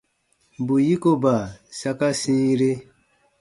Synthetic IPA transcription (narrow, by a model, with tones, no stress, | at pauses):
bu˨ji˦ko˦ba˨sa˦ka˦sĩː˦ɾe˦